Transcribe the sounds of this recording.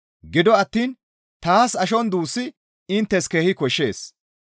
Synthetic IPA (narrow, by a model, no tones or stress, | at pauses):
ɡɪd̪ɔɐt̪ːiːn | t̪aːsɐʃɔnd̪uːsːɪ | ɪnt̪ːɛskeːhɪkɔʃːe̞ːs